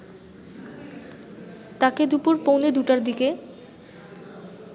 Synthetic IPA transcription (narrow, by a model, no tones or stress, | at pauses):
t̪aked̪upuɾpowned̪uʈaɾd̪ike